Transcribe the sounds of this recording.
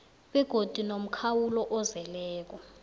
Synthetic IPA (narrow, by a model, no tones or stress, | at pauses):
ɓɛɡ̥ʱod̥ʱinom̩kʰawulɔʔɔzɛlɛːk̬ɔ